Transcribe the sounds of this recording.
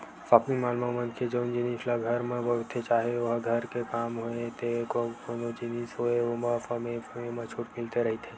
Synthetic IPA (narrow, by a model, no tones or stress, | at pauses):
faːpɪ̃ŋmaːlmamə̃nkʰed͡ʒoɪ̃nd͡ʒinislaɡʱɐɾmẽbɐt̪ʰːet͡ʃaːɦeʋɐɦɡʱɐɾkekaːmɦoet̪ekokonod͡ʒinisɦoeomãfɐmẽfəmemãt͡ʃʰuːʈmɪlt̪eɾɐɦit̪ʰeː